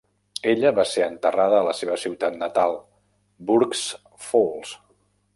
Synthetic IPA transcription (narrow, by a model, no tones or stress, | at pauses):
eʎəβaseɾənt̪əraðəːləseβəsiwt̪at̪nət̪alˠ | buɾks | folˠs